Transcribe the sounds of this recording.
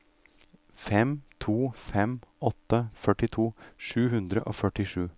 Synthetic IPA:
fɛmt̪ʰuːfɛmɔt̪ːəfœʈɪt̪ʰuːʂʉːɦʉnd̪ɾə̰ʔo̰ːfœʈɪʂʉː

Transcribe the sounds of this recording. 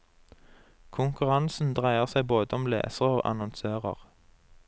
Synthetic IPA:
kʰʊŋkʉʁɑnsn̩d̪ʁæɪəʁsæɪboːd̪əɔmlḛːsəʁoːʔɑ̰nɔnsøːʁə̰ʁ

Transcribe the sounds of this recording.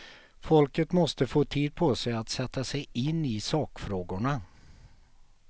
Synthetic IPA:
fɔlkət̪mɔst̪əfoːt̪ʰiːd̪̚pʰɔsɛjat̪sɛt̪ːasɛjɪnːɪsɑːkfɾoːɡʊɳa

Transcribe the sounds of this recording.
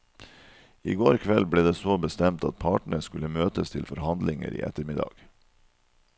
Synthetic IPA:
ḭːɡoːɾkʰʋɛlbleːd̪eːsoːbəst̪ɛmt̪ɑt̪̚pʰɑːʈɳ̩əskʉləmøːt̪əst̪ʰɪlfɔɾhɑnd̪lɪŋə̰ɾʔḭːʔɛ̰t̪əɾmɪd̪ɑ̰ɡ̥

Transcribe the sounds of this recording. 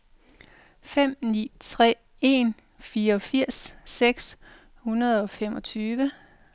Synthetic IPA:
fem̰nḭːt͡sʰʁɛ̰ː | e̝n | fiːɐɒ̽fiɐ̰sːeɡ̥s | hunɐð̞ˠɒ̽femɒ̽t͡sʰyːʋə

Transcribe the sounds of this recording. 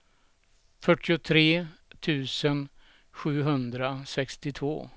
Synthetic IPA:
fœʈːɪʊt̪ʰɾeːt̪ʰʉ̟ːsən | ɧʉ̟ːɦɵnd̪ɾasɛkst̪ɪt̪ʰvo̰ː

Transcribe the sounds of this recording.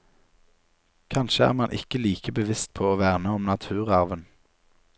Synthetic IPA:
kʰɑnʃəæ̰ːʁmɑnʔɪ̰kəliːkəbəʋɪst̪̚pʰoːoːʋæːʁnəɔmnɑt̪ʰʉːʁɑʁʋən

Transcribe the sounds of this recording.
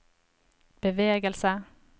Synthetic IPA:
b̥əʋeːɡəlsə

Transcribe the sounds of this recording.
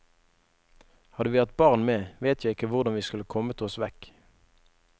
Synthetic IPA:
hɑd̪əʋiːhɑt̪̚bɑʁnmeːʋeːt̪ʰjæɪɪkəʋʊʁd̪ɑnʋiːskʉləkʰɔmət̪ʰɔsʋɛk

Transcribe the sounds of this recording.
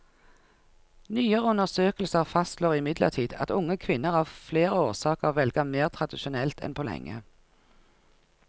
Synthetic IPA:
nyːəʁəʉnəʁsøːkəl̩səʁfɑst̪loːʁɪmɪd̪lə̰ʁt̪ʰiːd̪ɑ̰t̪ʊŋəkʰʋɪnːəʁhɑːfleːʁəoːʁsɑːkəʁʋɛlɡɑmeːʁt̪ʰʁɑd̪ɪʃʊnɛlt̪ʰɛ̰npʰoːlɛ̰ŋːə̰

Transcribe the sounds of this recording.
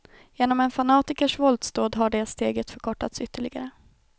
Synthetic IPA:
jeːnɔmɛnfanɑːt̪ɪkəʂvɔld̪st̪oːd̪ɦaɖɛst̪eːɡət̪fœɾkʰɔʈːat̪sʏt̪ʰːəɭɪɡaɾə

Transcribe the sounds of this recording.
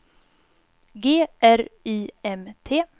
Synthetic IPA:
ɡeːʔæɾiːɛmt̪ʰeː

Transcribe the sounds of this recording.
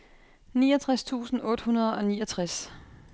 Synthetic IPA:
niːɒt͡sʰʁast͡sʰṵːsn̩ɔ̽ːd̥hunɐð̞ˠɒ̽niːɒt͡sʰʁas

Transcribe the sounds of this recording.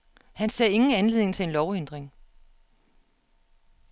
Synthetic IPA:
hænsɛ̰ːe̝ŋn̩ænle̝ð̰ˠneŋt͡sʰe̝e̝nlɒʊend̥ʁeŋ

